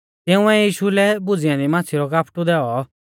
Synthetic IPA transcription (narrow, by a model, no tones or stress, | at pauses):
t̪ɪũɛjiːʃulɛbʊd͡zɪjãd̪imaːt͡sʰiɾɔkaːpʰʈud̪ɛːɔ